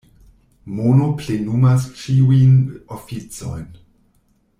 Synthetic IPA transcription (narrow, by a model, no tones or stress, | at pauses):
monoplenumast͡ʃiujnofit͡so̰jn